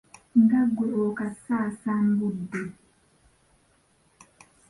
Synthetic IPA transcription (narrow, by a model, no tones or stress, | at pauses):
ŋɡaɡuɾokasaːsambudːe